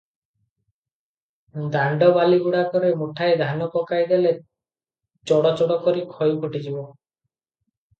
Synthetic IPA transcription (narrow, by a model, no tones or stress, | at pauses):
d̪aɳɖɔbaliɡuɽakɔɾemuʈʰaed̪ʱanɔkɔkajd̪ele | t͡ʃɔɽɔt͡ʃɔɽɔkɔɾikʰɔjukʰuʈid͡ʒibɔ